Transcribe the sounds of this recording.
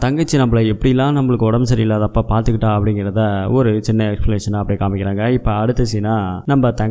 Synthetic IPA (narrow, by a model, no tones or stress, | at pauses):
t̪ɐŋɡɐt͡ʃːɯnɐmːɐɭɐɛpːɐɽɪjɪlːãːnɐmːɐɭɯkːɯɔɽɐmsɐɾɪɪlːaːðɐpːaːpaːɾt̪ɯkːɪʈːãːɐpːɐɽɪŋɡɪɾɐðaɔɾɯt͡ʃɪnːɐɛksplɐneːʂɐnaɐpːɐɽɪkaːmɪkʲːɪɾaːŋɡɐɪpːɐɐɽɯt̪ːɯsɛjnaːnɐmbɐt̪ɐ